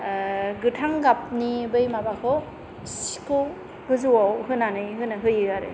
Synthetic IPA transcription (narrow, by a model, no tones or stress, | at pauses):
ɡɯtʰaŋɡap̚nibɯjmabakʰɯ | si̥kʰɯ | ɡɯzuwawɦɯnanɯjɦɯnaɦɯjɯɡaɾɯ̰